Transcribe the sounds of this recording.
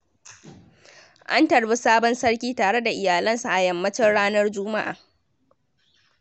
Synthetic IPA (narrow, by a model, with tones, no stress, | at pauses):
ʔa˦ntɐ˨ɽbi˦saː˦bɔ˦nsɐ˦ɽkʲiː˦taː˨ɽe˦da˨ʔɪ˨jaː˨lɐ˦nsa˨ʔa˨jɐ˨mːɐ˦t͡ʃɪ˦nɽaː˦nɐ˦rd͡ʒʊ˦ma˦ʔa̰ː˨